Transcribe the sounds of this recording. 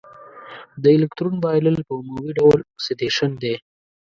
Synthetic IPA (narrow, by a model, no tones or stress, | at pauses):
d̪əɪlɪkt̪ɾunbɑjləlpəmowiɖawlset̪eʃənd̪e